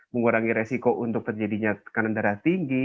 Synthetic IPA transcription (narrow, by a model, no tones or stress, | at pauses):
məŋuɾaŋiɾesikoʔunt̪ʊk̚t̪ərd͡ʒadiɲakanandaɾat̪iŋɡi